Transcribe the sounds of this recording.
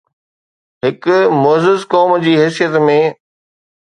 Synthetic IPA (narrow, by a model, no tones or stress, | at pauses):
ɦɪkʊmʊəzɪzkɔːmd͡ʑiːɦɛːsijət̪mẽ